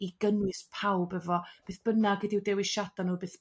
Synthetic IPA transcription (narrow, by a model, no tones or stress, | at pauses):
iɡənwɨspʰawbɛvɔb̥eːθb̥ənaɡədiwdɛwiʃad̥anuːbeːθ